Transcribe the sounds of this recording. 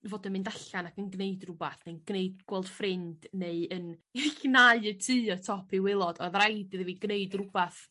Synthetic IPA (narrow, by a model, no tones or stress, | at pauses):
voːdənmɨndaɬanakənɡneɨdrʊbaθnejnɡ̥neɨdɡ̥wɛlˠd̥frɪnd̥neɨənnaɨətʰɨːɔtʰɔpʰiwɪlˠɔdɔðrajdɨðviɡneɨdrʊbaθ